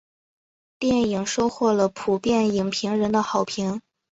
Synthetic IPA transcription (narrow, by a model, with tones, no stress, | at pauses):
t̪jɛ˥˩ni˨˩ŋʂo˥ʊxwɔ˥˩lə˩pʰu˨˩pjɛ˥˩ni˨˩ŋpʰi˧˥ŋɻə˧˥nd̪ə˧xɑ˨˩ʊpʰi˧˥ŋ